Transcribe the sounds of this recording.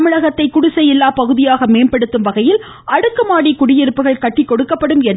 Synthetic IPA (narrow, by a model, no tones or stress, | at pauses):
mɪɻɐɣɐt̪ːɐɪkʊɽʊsɐjɪlːaːpɐɣɯðɪjaːɣɐmeːnpɐɽɯt̪ːɯmʋɐɣɐjɪl | ɐɽɯkːɯmaːɽikʊɽɪjɪɾɯpːɯɣɐɭkɐʈːɪkːɔɽɯkːɐpːɐɽɯmɛn